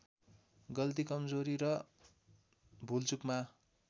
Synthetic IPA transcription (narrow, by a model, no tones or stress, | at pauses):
ɡʌlt̪̬ikʌmd͡zoɾiɾʌ | bʱult͡sukma